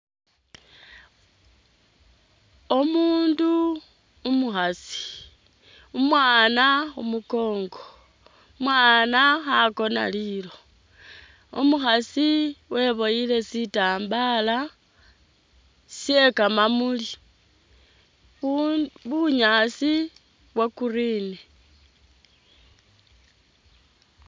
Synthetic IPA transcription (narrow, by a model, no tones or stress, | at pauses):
omuːndu | umuxasi̥ | umwaːnaumuko̞ːŋɡo | mwaːnaxako̞na̰lilo̞ | omuxasiwe̞βo̞jile̞sitaːmbala | sje̞kamamuli | βuɲasi | βwakuriːne